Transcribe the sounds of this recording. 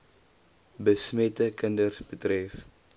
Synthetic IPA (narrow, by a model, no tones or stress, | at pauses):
bəsmɛtəkəndərsbətrɛf